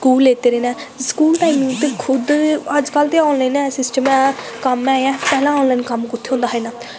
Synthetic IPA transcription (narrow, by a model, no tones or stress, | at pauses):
kuːlːeːt̪eːɾeːnɛː | skuːlʈaːimɪ̃ŋɡt̪ekʰʊd̪əd͡ʒkəlt̪eːɔːnlaːinɛ̃ːsɪsʈəmɛ̃ː | kəmɛːɛ̃ːpɛːlãːɔːnlaːnkəmkʊt̪ʰːeːɦõːnd̪aːɦɛːnaː